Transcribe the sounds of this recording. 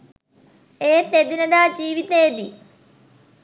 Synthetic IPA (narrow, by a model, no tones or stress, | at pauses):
eːt̪ed̪unɐðaːd͡ʑiːʋit̪eːd̪i